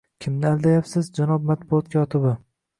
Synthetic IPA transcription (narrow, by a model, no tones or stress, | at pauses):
kʲʰɪmnɪald̪ajapsɪzd͡ʒanɒb̚mat̪̚bʊɒt̪̚kʲjɒt̪ʰɪbɪ